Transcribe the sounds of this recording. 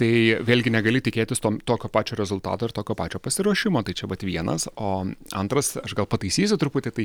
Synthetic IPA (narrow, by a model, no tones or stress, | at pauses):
t̪ɐɪʋʲeːlʲɡʲɪnʲɛɡɐlʲɪt̪ʲɪkʲeːt̪ʲɪst̪oːmt̪oːkʲoːpɑːt͡ʃʲoːɾʲɛzʊlˠt̪ɑ̰ːt̪oːɪɾt̪oːkʲoːpɑːt͡ʃʲoːpɐsʲɪɾuɔʃʲɪmoːt̪ɐɪt͡ʃʲɛʋɐt̪ʋʲiɛnɐ̰soːɐ̰nt̪ɾɐsɐʃɡɐlˠpɐt̪ɐɪsʲiːs̬ʲʊt̪ʊpʊt̪ʲɛɪt̪ɐɪ